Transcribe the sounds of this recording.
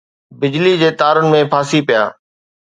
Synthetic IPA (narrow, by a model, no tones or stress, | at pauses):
bɪd͡ʑlid͡ʑeːt̪aːɾənɪ̆mẽpʰaːsipɪja̰ː